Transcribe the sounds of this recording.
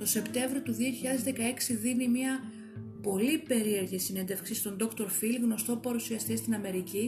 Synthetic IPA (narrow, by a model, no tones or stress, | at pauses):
t̪o̞se̞pt̪e̞ɱvɾio̞t̪uðio̞çiʎɐðe̞zðe̞kɐe̞ksiðinimiɐ | po̞lipe̞ɾie̞ɾʝisine̞nd̪e̞fksist̪o̞nd̪o̞kt̪o̞ɾfilɣno̞st̪o̞pɐɾusiɐst̪est̪inɐme̞ɾici